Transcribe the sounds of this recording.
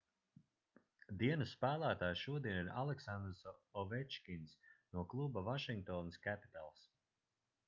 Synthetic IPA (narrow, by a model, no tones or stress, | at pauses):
d̪iɛnusːpæːlˠæːt̪aːjʃuɔd̪iɛniɾa̰lˠɛksand̪ɾsɔvɛt͡ʃkʲinsnuɔklˠubavaʃiŋɡ̚t̪ɔːniskæpi̥t̪alˠs